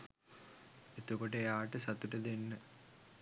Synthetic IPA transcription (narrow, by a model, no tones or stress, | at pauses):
et̪ukoʈəejaːʈəsɐt̪uʈəd̪enːə